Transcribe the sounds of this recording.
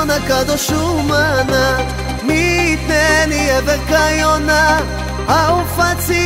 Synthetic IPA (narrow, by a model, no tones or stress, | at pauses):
nakad̪ɔʃumana | mit̪nɛniɛðɛkajɔna | awufat͡si